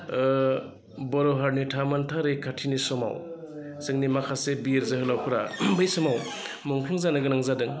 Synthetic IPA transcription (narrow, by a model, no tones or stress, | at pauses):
bɔɾɔɦaɾnitʰamantʰaɾɯjkʰatʰinisɔma̰w | sɯŋnimakʰasebiɾzɐɦɯlawpʰɯɾabɯjsɔmaw | mɔŋkʰɯŋzanɯɡɯnaŋzadɯŋ